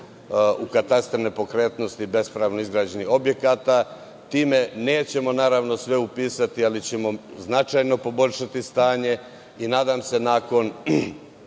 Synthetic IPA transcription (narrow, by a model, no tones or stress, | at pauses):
ukat̪ast̪ɾenepo̞kɾeːt̪no̞st̪ibe̞spɾaːʋno̞izɡɾaːd͡ʑe̞nio̞bje̞kat̪a | t̪iːme̞ne̞ːt͡ɕe̞mo̞naːɾaʋno̞sʋe̞upiːsat̪ialit͡ɕe̞mo̞znat͡ʃajno̞po̞bo̞ʎʲʃat̪ist̪aːɲe̞ | inaːd̪amse̞naːko̞n